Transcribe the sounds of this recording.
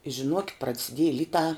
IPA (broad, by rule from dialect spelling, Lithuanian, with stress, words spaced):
ɪ ʒʲɪˈnuɔkʲɪt prɐt͡sʲɪˈdʲiɛjɪ ˈlʲɪtɑː